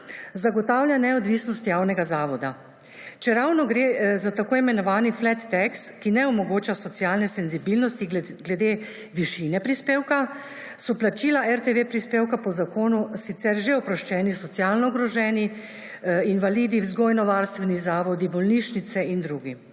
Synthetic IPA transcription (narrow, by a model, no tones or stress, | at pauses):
zaɡɔt̪awljanɛɔd̪ʋiːsnɔst̪jawnɛɡazaːʋɔd̪a | t͡ʃɛɾawnɔɡɾeːzat̪akoːimɛnɔʋaːniflɛt̪ːɛkskinɛɔmɔɡoːt͡ʃasɔt̪sjaːlnɛsɛnzibilnɔst̪i | ɡlɛd̪e | ʋiʃinɛpɾispeːwka | sɔplat͡ʃiːlaʔɛɾt̪eʋepɾispeːwkapɔzakoːnusit̪sɛɾʒeɔpɾɔʃt͡ʃɛːnisɔt̪sjalnɔːɡɾɔʒɛːni | inʋaliːd̪iwzɡoːjnɔʋaɾst̪ʋɛnizaːʋɔd̪ibɔlniːʃnit̪sɛind̪ɾuːɡi